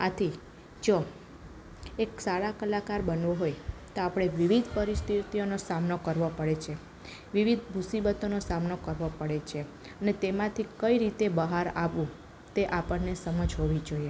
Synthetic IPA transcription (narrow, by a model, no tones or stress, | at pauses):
at̪ʰi | d͡ʒo | eksaɽakəlakaɾbənʋoɦojt̪oapɽ̃eʋiʋid̪ʱpəɾist̪ʰit̪ionosamnokəɾʋopəɽet͡ʃʰe | ʋiʋid̪̚ʱmʱusibət̪onosamnokəɾʋopəɽet͡ʃʰe | ənet̪emãt̪ʰikəiɾit̪ebəɦaɾaʋũ | t̪eʔapəɳnesəməd͡ʒɦoʋid͡ʒoje